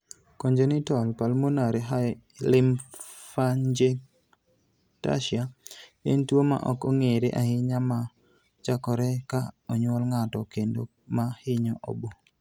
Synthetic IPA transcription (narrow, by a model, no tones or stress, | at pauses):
koɲd͡ʒonitɔlpalmonaɾeɦa | lɪm | faɲd͡ʒe | ta̰ʃɪaentwoma̰ʔɔkɔŋeɾeʔahɪɲama | t͡ʃakɔɾɛkaɔɲwɔlŋatɔkendo | mahɪɲɔʔo̰bo